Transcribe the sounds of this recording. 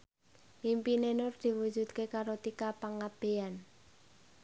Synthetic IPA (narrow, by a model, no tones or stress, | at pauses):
impinenʊrd̪̥i̤wu̥ʒ̥ṳd̪̚kekaɾot̪ikapaŋab̥e̤an